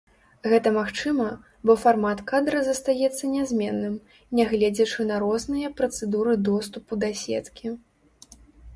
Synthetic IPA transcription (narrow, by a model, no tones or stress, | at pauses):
ɣɛt̪ɐmaxt͡ʂɨmɐ | bɔfarmat̪kad̪ɾɐzɐst̪ajɛt̪sːɐnʲɛzʲmʲɛnːɨm | nʲɛɣlʲɛd͡zʲɐt͡ʂɨnɐɾɔznɨjɐpɾɐt̪sɛd̪uɾɨd̪ɔst̪upud̪ɐsʲɛ̰t̪kʲʰi